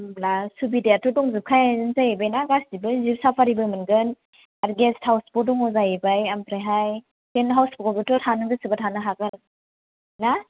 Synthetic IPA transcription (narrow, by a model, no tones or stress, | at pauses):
mlasubidejatɔdɔŋzɯp̚kʰajaɯnzajebajnaɡasdibɯzipsapʰaɾibɯmɯnɡɯn | aɾɡesthawspɔdɔŋɔzajebajampɾajɦaj | senɦawspɔkɔbitɔtʰanɯŋɡɯsɯbatʰanɯɦaɡɯɾ | na